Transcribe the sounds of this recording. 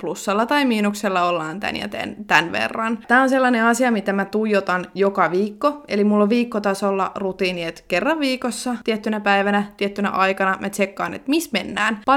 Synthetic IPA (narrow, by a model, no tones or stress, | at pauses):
plusːɑlːɑt̪ɑimiːnukselːɑolːɑːnt̪æ̰njæ̰t̪ḛnt̪ænʋḛrːɑnt̪æːonselːɑneɑsiɑmit̪æmæt̪ujot̪ɑnjokɑʋiːkːoḛlimulːoʋʋiːkːot̪ɑsolːɑ̰rut̪iːniet̪kerːɑʋʋiːkosːɑt̪iet̪ːynæpæiʋænæt̪iet̪ːynæ̰ʔɑjkɑnɑmʔætt͡ʃekːɑːnḛt̪mismenːæːnpɑ